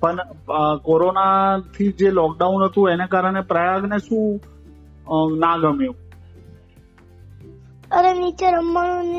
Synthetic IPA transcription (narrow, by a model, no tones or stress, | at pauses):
pəɳkoɾonat̪ʰid͡ʒelɔk̚ɖaunɦət̪ũenekaɾəɽ̃epɾəjaɡneʃũ | naɡəmjũ | əɾenit͡ʃeɾəmːaɽ̃on